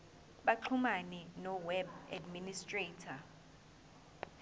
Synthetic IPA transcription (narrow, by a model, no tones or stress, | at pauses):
ɓaǃʰumanɛnɔwɛbadministʼretʰa